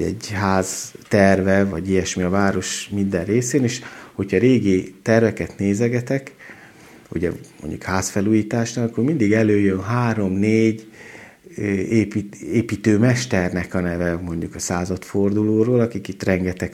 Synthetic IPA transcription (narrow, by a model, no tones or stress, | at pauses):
ɛ̰ɟɦaːzt̪ɛrvɛvɒɟijɛʃmiɒvaːɾo̞ʃmind̪ɛrreːseːneːʃho̞cʰhɒɾeːɡit̪ɛrvɛkɛt̪neːzɛɡɛt̪ɛk | ṵɟɛ̰mo̰ɲɟṵkhaːsfɛluːjiːt̪aːʃnɒɒkːoːɾmind̪iɡɛløːjønɦaːɾo̞mneːɟ | eːpieːpiːt̪øːmɛʃt̪ɛrnɛkɒnɛvɛmo̞ɲɟukɒsaːzɒt̪fo̞rd̪uloːɾoːlɒkikit̪rɛŋɡɛt̪ɛk